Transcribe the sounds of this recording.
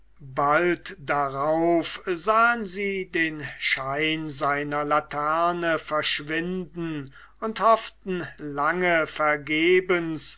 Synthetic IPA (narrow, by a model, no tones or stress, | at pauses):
baltdaʁaʊfzaːənziːdeːnʃaɪnzaɪnɐlatʰɛɐnəfɛɐʃv̥ɪndn̩ | ʊnthɔftn̩laŋəfɛɐɡeːbəns